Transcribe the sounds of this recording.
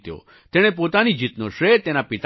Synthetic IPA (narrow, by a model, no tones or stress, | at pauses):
t̪jo̰ | t̪eɽ̃ep̬ot̪anid͡ʒit̪noʃɾet̪enapɪt̪